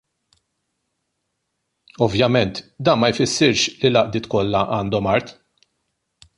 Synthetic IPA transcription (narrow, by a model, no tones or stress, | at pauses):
ɔvjɐmɛnt̪d̪ɐːnmɐjfɪsːɪɾʃlilɐʔd̪ɪːt̪kɔlːɐʔɐːnd̪ɔmɐɾt̪